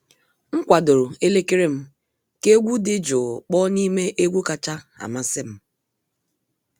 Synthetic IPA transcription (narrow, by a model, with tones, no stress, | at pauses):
ŋ̩˦kʷa˨do˨ɾo˨e˦le˦ke˦ɾe˦m̩˦ | ke˦ɡʷu˦dɪ˦d͡ʒʊ˨k͡pɔ˦ni˦me˦ʔe˦ɡʷu˦ka˨t͡ʃa˦a̰˨ma˦sɪ˦m̩˦